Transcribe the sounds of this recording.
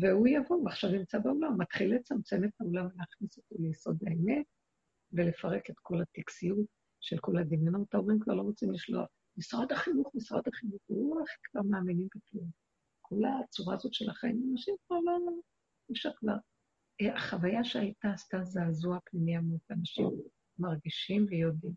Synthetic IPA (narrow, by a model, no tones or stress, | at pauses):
veujavo̞vaχʃavnimt͡sabeolamːatχilet͡samt͡se̞methaolamvleaχniso̞to̞lejso̞daeme̞t̚ | vele̞faʁe̞ketkʰo̞lat̪iksijut | ʃelko̞lad̪iminot̪aoʁimkva̰ʁlo̞ʁot͡simliʃlo̞̰a̰χ | misʁad̪haχinuχmisʁa̰d̪aχinuχʁuaχikv̥aʁmaːminimbeklum | kʰo̞lat͡suʁazo̞tʃelaχaḭmanaʃimkvaʁlo | iʃakva̰ʁ | eaχavajaʃeajtaːstazeazuapnimiamutvanaʃimː | aʁɡiʃimvejo̞dim